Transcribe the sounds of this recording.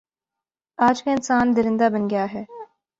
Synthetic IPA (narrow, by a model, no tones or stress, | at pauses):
aːd͡ʒkaɪnsaːnd̪ɪɾɪ̃nd̪abɐnɡɐjaɦɛː